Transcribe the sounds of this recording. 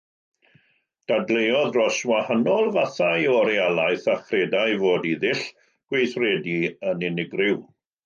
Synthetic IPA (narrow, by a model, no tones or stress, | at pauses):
d̥adlejɔðrɔswahanɔlˠvaθajɔɾialˠajθaχrɛdajvoːdiðɪɬ | ɡ̥wejθrɛdiənɪnɪɡrɪw